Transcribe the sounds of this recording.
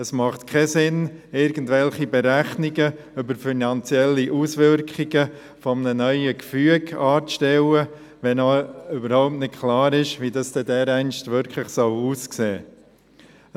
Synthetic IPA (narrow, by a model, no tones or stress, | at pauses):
əsmɑχt̪kʰɛsɪnɪɾɡ̥ən̩dvɛlχibɛɾæχniɡə | ʏbəɾfinɑnt͡sjɛlːiʔuːsʋɪɾkχiɡə | fɔmnənœʏəkfyəɡɑːt͡sʃtɛwə | ʋɛnaʏbəɾhɔʊp̚tnɪt̚kʰlɑːɾɪʃʋidɑstɛdɛɾæɪnʃtʋʏɾkʰləχsɔʊuːskseː